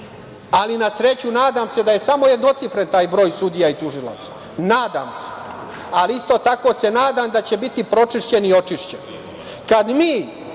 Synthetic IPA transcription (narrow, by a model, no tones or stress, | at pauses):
alinasɾe̞t͡ɕunaːd̪amse̞d̪aje̞samo̞je̞d̪not̪sifɾent̪aːjbɾo̞ːjsud̪ijait̪uʒila̰t̪sḁ | naːd̪a̰ːmse̥ | aliist̪o̞t̪ako̞se̞naːd̪amd̪at͡ɕe̞bit̪ipɾo̞t͡ʂiʃt͡ɕe̞nio̞t͡ʂiʂt͡ɕen | kad̪miː